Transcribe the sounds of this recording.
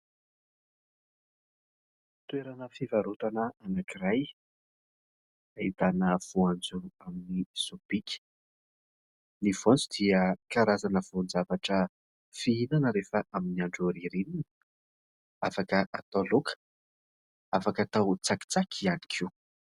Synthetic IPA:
t̪weɾanəfivaɾut̪anəanakiraj | aid̪anəv̥uand͡zuaminiz̥ob̥ikʲi̥ | nivond͡zud̪iəkaɾazanəv̥ond͡zavaʈ͡ʂə | fiinanəɾefəʔaminiaɳɖ͡ʐoɾiɾinini̥ | afakəʔat̪olokʰə̥ | afakat̪awt͡saki̥t͡sakʰiani̥kʰiw

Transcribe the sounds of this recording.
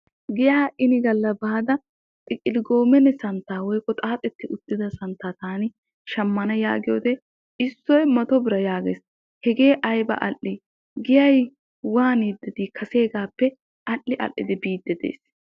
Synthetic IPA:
ɡɪjaːʔɪnɪɡɐlːɐbaːd̪ɐ | tʼɪkʼːɪlɪɡo̞ːmɛnɛsɐnt̪ːaːwɔjkʼːɔt̪ʼaːt̪ʼɛt̪ːɪʔʊd̪̥ːɪd̪ɐsɐnt̪ːaːt̪aːnɪ | ʃɐmːɐnɐja̰ːɡɪjoːt̪ɛ | ɪsːɔjmɐt̪ɔbɪɾɐjaːɡḛːs | hɛɡe̞ːʔɐjbɐ̰ʔɐlʔːɪ | ɡɪjɐj | waːniːd̪ːɛd̪iːkʰɐse̞ːɡaːpːɛ | ʔɐlːɪʔɐ̰ʔːɪ̰d̪ɪbiːd̪ːɛd̪ḛːs

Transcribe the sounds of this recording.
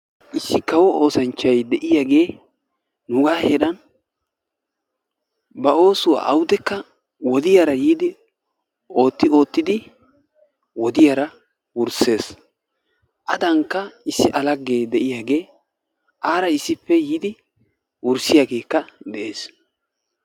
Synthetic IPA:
ʔɪsːɪkɐwɔo̞ːsɐnt͡ʃːɐjd̪ɛʔɪjaːɡe̞ː | nʊɡaːheːᶑɐn | bɐo̞ːsʊwa̰ʔɐwʊd̪ɛkːɐ | wɔd̪ɪjaɾɐjiːd̪ɪ | o̞ːt̪ːɪo̞ːt̪ːɪd̪ɪ | wɔd̪ɪjaɾɐ | wʊɾse̞ːs | ʔɐd̪ɐŋkːɐɪsːɪʔɐlɐɡːe̞ːd̪ɛʔɪjaːɡe̞ː | ʔaːɾɐɪsːɪpːɛjiːd̪ɪ | wʊɾsɪjaːɡe̞ːkːɐd̪ɛʔe̞ːs

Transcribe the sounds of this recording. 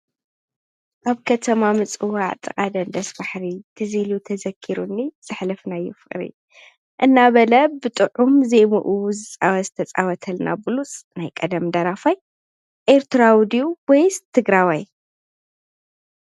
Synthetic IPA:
ʔaβkʰɐt̪ʰɐmamɨt͡sʼɨwaʕt̪ʼɨkʼad̪ɐnd̪ɐsbaħɾit̪ʰɨzilut̪ʰɐzɐkʰːiɾunːiz̥ɨħlɨfnajːufɨkʼɾḭ | ʔɨnːaβɐlɐbɨt̪ʼɨʕumzemuʔuzɨt͡sʼawɐzɨt̪ʰɐt͡sʼa̰wɐt̪ʰɐlnʔa̰bɨlusʼnajkʼɐd̪ɐmd̪ɐɾafaj | ʔeɾt̪ʰɨɾawd̪iuwɔjst̪ʰɨɡɾawaj

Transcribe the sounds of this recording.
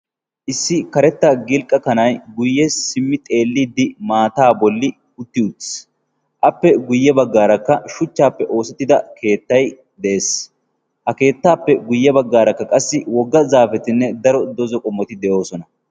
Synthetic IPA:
ʔɪsːɪkɐɾɛt̪ːɐɡɪlkʼːɐkɐnɐjɡʊjːɛsɪmːɪt̪ʼe̞ːlːiːd̪ɪmaːt̪aːbɔlːɪ | ʊt̪ːɪʊt̪s | ʔɐpːɛɡʊjːɛbɐɡːaːɾɐkːɐʃʊt͡ʃːaːpːɛʔo̞ːsɛt̪ːɪd̪ɐke̞ːt̪ːɐj | d̪ɛʔeːs | hɐke̞ːt̪ːaːpːɛɡʊjːɛbɐɡːaːɾɐkːɐkʼɐsːɪwɔɡːɐzaːfɛt̪ɪnːɛd̪ɐɾɔd̪ɔzɔkʼɔmːɔt̪ɪd̪ɛʔjo̞ːsɔnɐ

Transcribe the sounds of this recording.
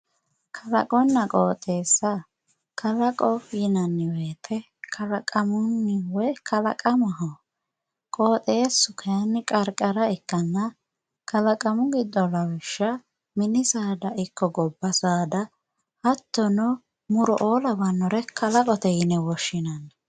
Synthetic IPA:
kʰɐlɐ̰kʼɔnːɐkʼoːt̪ʼeːsːɐ | kʰɐlɐkʼɔjɪnɐnːɪweːt̪ʰɛ | kʰɐlɐkʼɐmʊnːɪwɛkʰɐlɐ̰kʼɐmɐɦɔ | kʼo̞ːt̪ʼe̞ːsːʊkʰɐjɐnːɪkʼɐɾkʼɐɾɐɪkːɐnːɐ | kʰɐlɐkʼɐmʊɡɪd̪ːɔlɐwɪʃːɐ | mɪnɪsaːd̪ɐʔɪkːɔɡɔbːɐsaːd̪ɐ | hɐt̪ːɔnɔ | mʊɾɔʔo̞ːlɐbɐnːɔɾɛkʰɐlɐkʼɔt̪ɛjɪnɛwɔʃːɪnɐnːɐ

